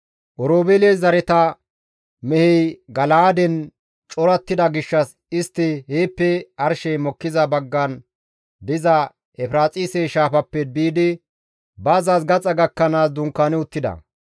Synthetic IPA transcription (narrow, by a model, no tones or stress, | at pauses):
ʔɔɾoːbelezɐɾɛt̪ɐ | mɛhɛjɡɐlaːd̪ɛn | t͡ʃʼɔɾɐt̪ːɪd̪ɐɡɪʃːɐs | ɪst̪ːɪheːpːɛɐɾʃɛjmɔkːɪzɐbɐɡːɐn | d̪ɪzɐ | ɛfɾaːt͡sʼiːsɛʃaːpɐpːɛbiːd̪ɪ | bɐːzaːsɡɐt͡sʼɐɡɐkːɐnaːsd̪ʊŋkːaːnɪʊt̪ːɪd̪ɐ̰